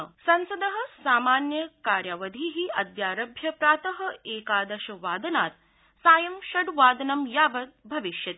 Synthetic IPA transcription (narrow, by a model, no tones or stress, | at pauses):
sɐ̃nsɐd̪ɐɦɐ̆saːmaːnjɐkaːɾjaʋɐd̪ʱiɦiɐd̪jaːɾɐbʱjɐpɾaːt̪ɐɦɐ̆eːkaːd̪ɐʃɐʋaːd̪ɐnaːt̪ | saːjɐmʃɐɖʋaːd̪ɐnɐmjaːbɐt̪̚bʱɐʋiʃjɐt̪i